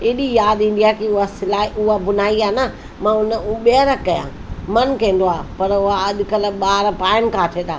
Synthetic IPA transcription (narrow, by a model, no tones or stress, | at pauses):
eːɗijaːd̪ɪ̃ɳɖijakiʊɦasɪlaːɦiʔʊɦabʊnaːiaːnə | mãːʊnəɓeːɾəkːɐjã̰ː | mɐnkẽːnd̪oaːpɐɾʊɦaɐd̪ɪkəlɓaːɾpaːɪmkʰãːʈʰeːt̪aː